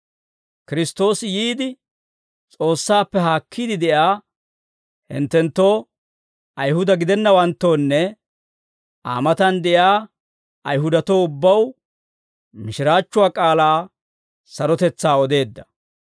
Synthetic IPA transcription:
kɪɾɪst̪o̞ːsjiːd̪ɪ | t͡sʼo̞ːsːaːpːɛɦaːkʰːid̪ɪd̪ɛʔaː | hɪ̰nt̪ːɛnt̪ːo̞ː | ʔɐjɦʊd̪ɐɡɪd̪ɛnːɐwɐnt̪ːo̞ːnːɛ | ʔa̰ːmɐt̪ɐnd̪ɛʔjaː | ɐjɦʊd̪ɐt̪oːʊbːɐw | mɪʃɪɾaːt͡ʃːʊwaːkʼaːlaː | sɐɾɔt̪ɛt͡sːaːɔd̪e̞ːd̪ːɐ

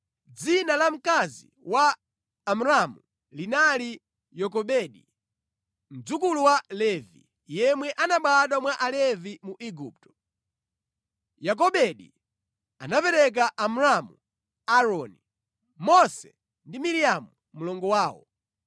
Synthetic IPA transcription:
d͡zinalam̩kazḭ | waː | muɾamu | linali | jɔk̬ɔɓɛɗi | m̩d͡zukuluwalɛvḭ | jɛmwɛʔanaɓaɗamwaʔalɛvimuʔiɡuːp̚tɔ̥ | jak̬ɔɓɛɗḭ | a̰napɛɾɛk̬aʔamuɾamu | aɾɔni | mɔsɛ | ndimiɾijamu | mulɔŋɡɔwaːwɔ̰

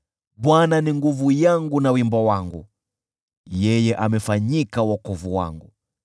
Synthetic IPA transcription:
ɓwananiŋɡuvujaŋɡunawimbɔwaŋɡu | jɛjɛʔamɛfaɲikawɔkɔvuwa̰ŋɡu

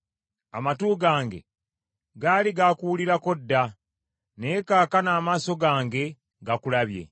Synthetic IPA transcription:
a̰matuːɡaːŋɡe̞̰ | ɡaːliɡakuwuliɾako̞dːa | ne̞kaːkanaːmaːso̞ɡaːŋɡe̞ | ɡakulaβje̞̰

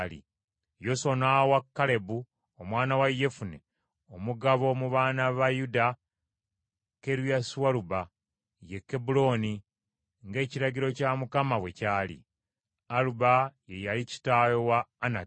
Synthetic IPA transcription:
lḭ | jo̞sonawakːale̞bu | omwaːnawajːe̞funḛ | omuɡaβo̞muβaːnaβajuda | ke̞ɾwjaswaɾuba | jekːe̞bulo̞ni | ŋɡe̞ːciɾaɟiɾo̞camukamaβwe̞caːlḭ | alubaje̞jalici̥tajo̞waːna

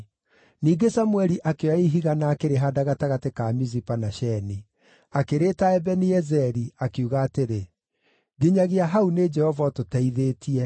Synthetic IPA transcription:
niːɡesamwɛɾiʔakeaiɦiɣanaːkeɾeɦadaɣataɣatekamizipanaʃɛni | akeɾeːtaɛbɛniɛzɛɾiakuɣaːteɾe | ɣeɲaɣeaɦauned͡ʒɛhɔvatotaiðetʰiɛ

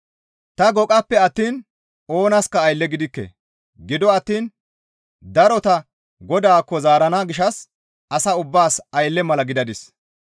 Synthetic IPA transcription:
t̪ɐɡɔkʼɐpːɛɐt̪ːiːn | o̞ːnɐskɐːjlːɛɡɪd̪ɪkːɛ̰ | ɡɪd̪ɔɐt̪ːiːn | d̪ɐɾɔt̪ɐ | ɡɔd̪aːkːɔzaːɾɐnaːɡɪʃɐs | ɐsɐʊbːaːsɐjlːɛmɐlɐɡɪd̪ɐd̪ɪs

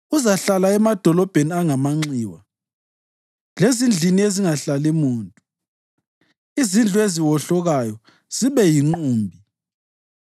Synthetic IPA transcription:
uzaɬalaɛmad̥ʱɔlɔb̥ʱeniaŋamaŋ͡ǀiːwa | lezind͡ɮʱinieziŋaɬalimuːntʼu | izind͡ɮʱueziwɔɬɔɣajɔ | z̥iβɛjiŋ͡ǃuːmbʱi

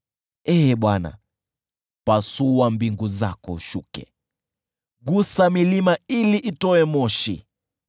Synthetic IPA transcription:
ɛːɓwana̰ | pasuwambiŋɡuza̰kɔ̰ʃukɛ̰ | ɡusamilimailiʔitɔɛmɔʃḭ

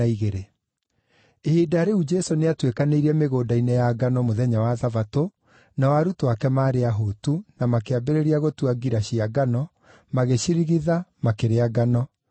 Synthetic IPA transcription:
aiɣeɾe | ehidaɾeud͡ʒɛsoneatwekaneiɾiɛmeɣoːdainɛjaɡanɔmoðɛɲawaðavato | nawaɾutowakɛmaːɾeaɦotunamakeabeɾeɾiaɣotuaɡiɾaɕiaɡanɔ | maɣeɕiɾiɣiðamakeɾeaɡanɔ

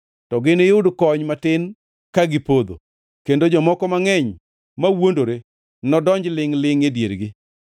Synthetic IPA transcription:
tɔɡɪnejʊdkɔɲmatɪn | kaɡɪpod̪o̰ | kendod͡ʒɔmɔkɔmaŋɛɲ | mawondoɾe | nɔdɔɲd͡ʒlɪŋlɪŋedjeɾɡɪ

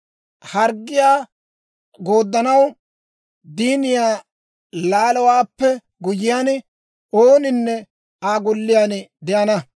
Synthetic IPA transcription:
hɐɾɡːɪjaː | ɡo̞ːd̪ːɐnɐw | d̪iːnɪjaː | laːlɔwaːpːɛ | ɡʊjɪjaːn | oːnɪnːɛ | aːɡʊlːɪjaːnd̪ɛʔɐnɐ

